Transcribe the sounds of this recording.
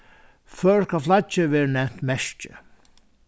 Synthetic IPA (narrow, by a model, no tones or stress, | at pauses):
fœːɹkʰaflat͡ʃːɪʋɛːɾənɛm̥t̪mɛʃt͡ʃɪ̰